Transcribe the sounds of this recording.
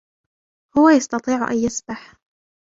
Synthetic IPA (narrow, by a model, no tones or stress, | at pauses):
hʊwajɑst̪ɑt̪ˤiːʕ̰ʔa̰njɪsbaħ